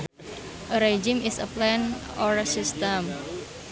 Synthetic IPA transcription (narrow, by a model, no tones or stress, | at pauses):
ʔəɾed͡ʒimisəplɛnɔɹsist̪əm